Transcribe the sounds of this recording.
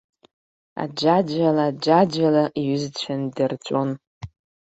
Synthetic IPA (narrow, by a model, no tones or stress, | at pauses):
a̰d͡ʒad͡ʒʷalad͡ʒad͡ʒalaʔiɥʏzt͡ɕʷʰandɨrt͡ʃʷʼon